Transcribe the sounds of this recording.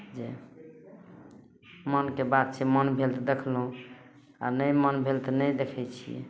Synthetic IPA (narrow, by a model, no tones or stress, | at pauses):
d͡ʒe | mənkebad̪̚t͡ʃʰemənbʱelt̪d̪ekʰlɦũ | a̰nəjmənbʱelt̪nəjd̪ekʰɛjt͡ʃʰijɛ̰